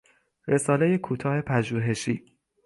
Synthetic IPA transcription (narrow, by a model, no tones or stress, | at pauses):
ɾe̞sɒːlejekʰuːt̪ʰɒːhe̞pʰæʒuːɦe̞ʃiː